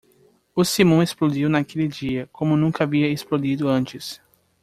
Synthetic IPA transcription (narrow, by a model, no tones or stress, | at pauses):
ʊsimõesplod͡ʒiwnakelɪd͡ʒiɐkõmʊnũkɐaviɐesplod͡ʒid̪ʊɐ̃nt͡ʃɪs